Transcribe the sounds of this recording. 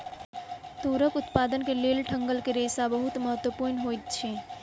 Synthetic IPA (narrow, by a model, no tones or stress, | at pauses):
t̪uɾəkʊt̪pad̪ənkelelʈʰəŋɡəlkeɾesabəɦut̪məɦət̪wəpuɾnɦojt̪̚t͡ʃʰɛ